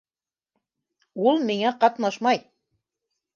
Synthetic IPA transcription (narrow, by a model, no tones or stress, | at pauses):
ulˠmiŋæqɑt̪nɑʃmɑj